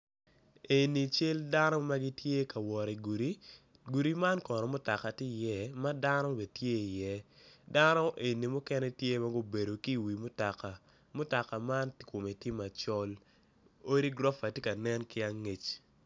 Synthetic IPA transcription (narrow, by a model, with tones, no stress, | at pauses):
e˨ni˨t͡ʃe˦lda˦nɔ˦ma˦ɡi˦tje˦ka˨wɔ˨ɾi˨ɡu˨ɾi˦ | ɡu˨ɾi˦ma˦nkɔ˨nɔ˨mʊ˦ta˨ka˨tɪ˦˨jɛ˦˨ma˦da˦nɔ˦be˨tje˦i˨jɛ˦da˦nɔ˦ʔe˨ni˨mʊ˦kɛ˦nɛ˦tje˦ma˦ɡo˦be˨do˨ki˦˨wi˨mʊ˦ta˨ka˨ | mʊ˦ta˨ka˨ma˦ntkʊ˨me˨tɪ˦ma˨t͡ʃɔ˦l | o˦ɾi˦ɡɾɔ˦fa˨ti˦ka˨nɛ˦nkɪ˦a˦ŋe˨t͡ʃ